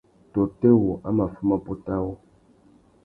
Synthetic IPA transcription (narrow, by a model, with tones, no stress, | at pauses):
to˨te˦wo˨ʔa˦ma˨fu˦ma˦po˦ta˦wo˦